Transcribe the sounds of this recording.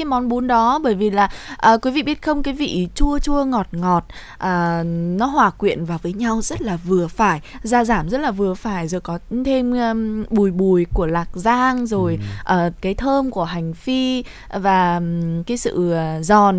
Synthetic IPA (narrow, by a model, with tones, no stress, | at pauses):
aː˨˦jmɔ˨˦nɓu˨˦nɗɔ˨˦ɓəː˧˩jvi˨˩laː˨˩ʔəː˨˩kwi˨˦vḭ˧˨ɓi˦˥ət̚xə˧wŋ͡mkaː˨˦jvḭ˧˨t͡ɕu˧ət͡ɕu˧əŋɔ˨˩t̚ŋɔ˨˩t̚ | ʔəː˨˩nɔ˨˦ɦwaː˨˩kwḭ˧˨ənvaː˨˩wvəː˨˦jɲa˧wzə˦˥t̚laː˨˩vɨ˨˩əfaː˧˩jzaː˧zaː˧˩mzə˦˥t̚laː˨˩vɨ˨˩əfaː˧˩jzo˨˩jkɔ˨˦t̪ʰe˧m˧ɓu˨˩jɓu˨˩jku˧˩əlaː˨˩k̚zaː˧ŋzo˨˩jʔəː˨˩kaː˨˦jt̪ʰəː˧mku˧˩əɦa˨˩jŋ̟fi˧ | vaː˨˩kaː˨˦jsɨ̰˧˨˩zɔ˨˩n